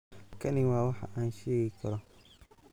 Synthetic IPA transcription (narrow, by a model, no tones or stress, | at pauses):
kʰɐnɪwaːwɑħɑ̰ʔaːnʃɛːɣɪkʰɐɾɔ